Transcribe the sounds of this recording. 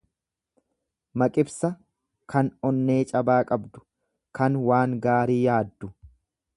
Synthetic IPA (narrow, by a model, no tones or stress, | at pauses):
mɐkʼɪbsɐ | kɐnɔnːe̞ːt͡ʃʼɐbaːkʼɐbd̪ʊ̥ | kɐnwaːŋɡaːɾiːjaːd̪ːʊ